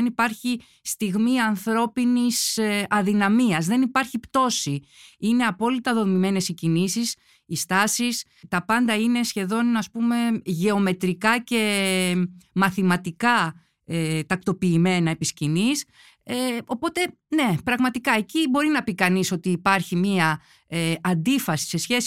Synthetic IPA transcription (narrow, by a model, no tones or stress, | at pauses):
nipɐɾçi | st̪iɣmiɐnθɾo̞pinisɐðinɐmiɐzðe̞nipɐɾçipt̪o̞siine̞ɐpo̞lit̪ɐðo̞mime̞ne̞sicinisis | ist̪ɐsis | t̪ɐpɐnd̪ɐine̞sçe̞ðo̞nɐspume̞ʝe̞o̞me̞t̪ɾikɐce̞ | mɐθimɐt̪ikɐ | et̪ɐk̚t̪o̞piːme̞nɐepiscinis | eo̞po̞t̪e̞ | ne̞pɾɐɣmɐt̪ikɐe̞cibo̞ɾinɐpikɐniso̞t̪iːpɐɾçimiɐ | eɐnd̪ifɐsi̥se̞sçe̞s